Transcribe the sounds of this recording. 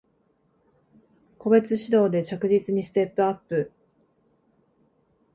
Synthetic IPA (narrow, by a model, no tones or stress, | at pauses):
ko̞be̞t͡sɨɕid̪o̞ːd̪e̞t͡ɕakɯ̟ʑit͡sɨɲ̟isɨ̥t̪e̞pːɯ̟apːɯ̟